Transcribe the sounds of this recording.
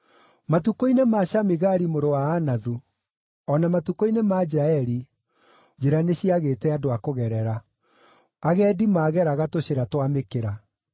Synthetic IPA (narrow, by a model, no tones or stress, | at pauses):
matukoinemaɕamiɣaɾimoɾowaːnaðu | ɔnamatukoinemaid͡ʒɾaɛɾi | d͡ʑeɾaneɕiaɣeːtɛadoakoɣɛɾɛɾa | aɣɛːdimaːɣɛɾaɣatoɕeɾatwamekeɾa